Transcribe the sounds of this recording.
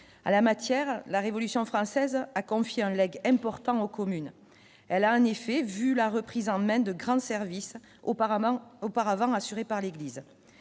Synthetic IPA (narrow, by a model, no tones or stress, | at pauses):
a̰lamat̪jɛʁlaʁevɔlysjɔ̃fχɑ̃sɛzakɔ̃fjeɛ̃lɛɡɛ̃pɔʁt̪ɑ̃okɔmyn | ɛlaɑ̃nefɛvylaʁəpχizɑ̃mɛ̃d̪əɡʁɑ̃sɛʁvis | opaʁavɑ̃asyʁepaʁleɡliz